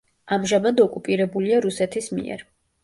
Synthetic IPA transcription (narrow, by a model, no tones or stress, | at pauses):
amʒamad̪ɔkʼupʼiɾɛbuliaɾusɛt̪ʰismḭɛ̰ɾ